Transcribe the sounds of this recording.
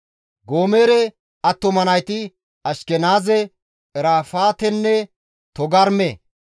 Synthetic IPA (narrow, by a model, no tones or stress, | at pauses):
ɡoːmeːɾɛ | ɐt̪ːɔmɐnɐjt̪ɪ | ɐʃkɛnaːzɛ | ɛɾaːfaːt̪ɛnːɛ | t̪ɔɡɐɾme